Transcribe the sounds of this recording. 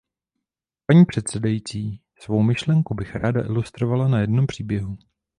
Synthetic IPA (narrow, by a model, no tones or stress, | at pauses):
paɲiːpr̝̥ɛt̪sɛdajit͡siː | svowmɪʃlɛŋkubɪxɾaːda̰ʔɪlust̪ɾo̞valanajɛdno̞mpr̝̥iːbjɛɦu